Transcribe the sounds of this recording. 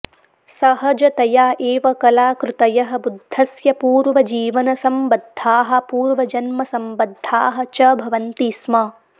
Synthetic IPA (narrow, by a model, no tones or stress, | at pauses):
sɐɦɐd͡ʒɐt̪ɐjaːʔeːʋɐkɐlaːkɾɪt̪ɐjɐɦɐ̆bud̪ʱːɐsjɐpuːɾʋɐd͡ʒiːʋɐnɐsɐmbɐd̪ʱːaːɦɐ̆puːɾʋɐd͡ʒɐnmɐsɐmbɐd̪ʱːaːɦɐ̆t͡ʃɐbʱɐʋɐnt̪iːsmɐ